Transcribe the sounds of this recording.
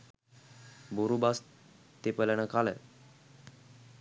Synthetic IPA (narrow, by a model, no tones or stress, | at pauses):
buɾubas | t̪epəlañəkalɛ